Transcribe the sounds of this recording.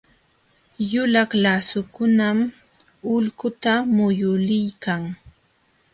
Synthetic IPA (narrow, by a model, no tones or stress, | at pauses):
jʊlaklasʊkʊnam | ʊlkʊt̪amʊjʊlɪjkaŋ